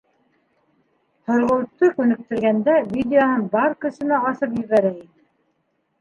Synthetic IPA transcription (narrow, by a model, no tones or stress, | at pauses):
hŏɾʁɤ̆w̪t̪ːɤkʉnɘ̆k̚t̪ɘ̆ɾɡænd̪ævʲid̪ʲɪonɤnbɑɾkɵ̆sɘ̆næɑsɤpjɵ̆βæɾæinɘ